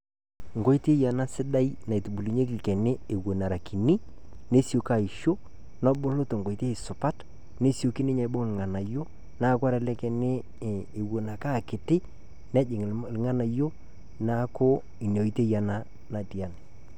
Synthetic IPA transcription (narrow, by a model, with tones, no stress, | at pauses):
ŋɡo˦jte˦ja˨na˦sɪ˦da˦jna˨tu˨bu˨li˨ɲe˦klkɛ˨ne˦e˨wo˨na˨ɾa˨ki˨ni˦ | ne˦si˦o˨ka˨i˨ʃo˦ | nɔ˦bʊ˦lʊ˦to˨ŋɡo˨i˨te˦ɪ˨sʊ˨pa˦t | ne˦si˦o˨˦ki˦nɪ˦ɲa˨˦bo˦ŋ˨ŋa˨na˨jo˦ | na˦˨kwa˦ɾɛ˨lɛ˦kɛ˨ne˦˨ | e˨wo˨na˨ka˦˨kɪ˨tɪ˦ | nɛ˦d͡ʒɪ˨ŋ˨lŋa˦na˨jo˦ | na˦ko˦ | i˨n˨o˨i˦te˦ja˨na˦ | na˨ti˨a˦n˨